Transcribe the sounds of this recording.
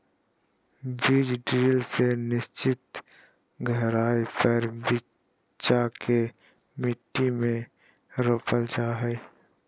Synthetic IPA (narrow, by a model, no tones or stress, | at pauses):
biːd͡ʒɖiːlsenɪst͡ʃɪt̪ | ɡʱəɦɾaːipəɾbɪ | t͡ʃakʰe | mɪʈːimẽ | ɾopəld͡ʒaɦɛː